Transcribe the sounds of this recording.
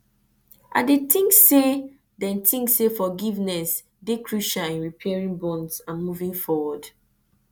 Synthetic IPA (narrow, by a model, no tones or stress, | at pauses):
ʔa̰detĩŋksːe | dɛ̃ntʰĩŋksefɔɡivnɛs | dekʰɹuʃaĩnɹipʰɛɹĩŋbɔ̃ndsãnmuvĩŋfɔwɔd